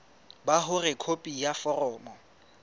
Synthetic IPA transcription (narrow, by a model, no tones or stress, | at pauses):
baɦʊrɪkʰopʼijafɔrɔːmɔ